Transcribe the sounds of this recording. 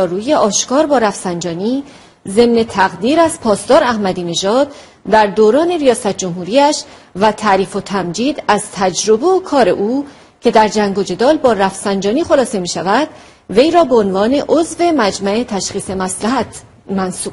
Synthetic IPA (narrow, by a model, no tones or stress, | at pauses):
ɾuːje̞ʔɒːʃkɒːɾbɒːɾæfsænd͡ʒɒːniː | ze̞mne̞t̪ʰæɣd̪iːɾæz̥pʰɒːst̪ɒːɾæhmæd̪iːne̞ʒɒːd̪̥̚ | d̪æɾd̪oːɾɒːne̞ɾijɒːsæt̪̚ʰd͡ʒomɦuːɾiːæʃvæt̪ʰæɾiːfo̞t̪ʰæmd͡ʒiːd̪æz̥t̪ʰæd͡ʒɾo̞be̞okʰɒːɾe̞̰ʔuː | cʰe̞d̪æɾd͡ʒæŋɡo̞d͡ʒe̞d̪ɒːlbɒːɾæfsænd͡ʒɒːniːxo̞lɒːse̞miːʃævæd̪ | ve̞jɾɒːbe̞onvɒːne̞ʔozve̞mæd͡ʒmæe̞t̪ʰæʃχiːse̞mæslæɦæt̪ | mænsuːb̥̚